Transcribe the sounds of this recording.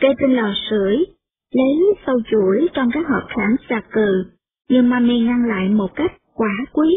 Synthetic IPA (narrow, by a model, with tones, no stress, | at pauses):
kə˧t͡ɕe˧nlɔ˨˩sɨ˧˩əj | lə˨˦jsə˧wt͡ɕu˧˩əjt͡ɕɔ˧wŋ͡mkaː˦˥k̚həː˨˩p̚xaː˨˦nsaː˧˩kɨ˨˩ | ɲɨ˧ŋmaː˧mi˧ŋa˧ŋla̰ː˧˨jmo˨˩t̚ka˦˥jk̟̚kwaː˧˩˦kwi˨˦